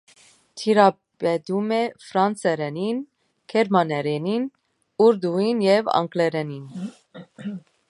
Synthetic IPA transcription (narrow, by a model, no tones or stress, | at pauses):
t̪ʰiɾɑ | bɛd̪umɛfɾɑnt͡sɛɾɛnin | kʰɛɾmɑnɛɾɛnin | uɾd̪uinjɛvɑ̰ŋklɛɾɛnin